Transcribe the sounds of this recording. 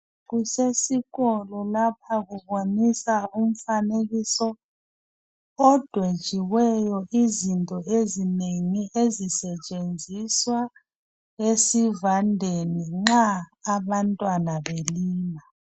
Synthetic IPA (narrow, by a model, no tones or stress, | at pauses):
ɣusesiɣɔlɔlap̚ʰaɣuβonisaum̩faneɣisɔ | d̥ʱwed̥ʒ̥ʱiwɛjɔʔizintʼɔezineŋiʔezisɛt͡ʃʼend͡zʱiswa | esivandʱeniŋ͡ǁaːβantʼwanaβeliːma